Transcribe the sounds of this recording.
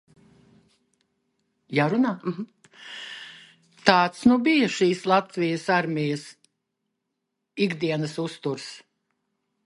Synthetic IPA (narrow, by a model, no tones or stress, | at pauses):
jaːɾunaː | t̪aːt̪snubijɐʃiːslˠat̪vijəsaɾmʲijɐs | iɡd̪iɛnɐsust̪uɾs